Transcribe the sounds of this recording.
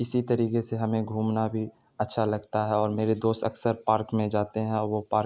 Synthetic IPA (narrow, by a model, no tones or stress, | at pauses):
ɪsit̪ɐɾiːkeseɦɐmẽɡʱuːmnabʱi | ɐtːʃʰalɐɡt̪aɦɛɔːɾmeːɾed̪oːst̪ɐksəɾpaːɾkmẽd͡ʒaːt̪eɦɛ̃ɔːɾʋopaːɾ